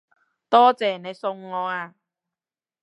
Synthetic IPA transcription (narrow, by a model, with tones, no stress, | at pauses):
t̪ɔː˥t͡sɛː˨˩ne˨˧jsʊ˧ŋːɔː˨˧aː˧